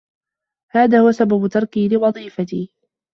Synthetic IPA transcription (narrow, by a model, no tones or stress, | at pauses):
haːðaːhʊwasababʊt̪ɑɾˤkiːlɪwɑðˤiːfat̪iː